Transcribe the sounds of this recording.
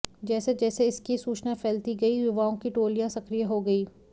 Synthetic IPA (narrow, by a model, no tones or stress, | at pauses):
d͡ʒɛːsed͡ʒɛːseɪskisuːt͡ʃnapʰɛːlt̪iɡɐijʊʋaːõkiʈoːlijãsɐkɾijəɦoɡɐiː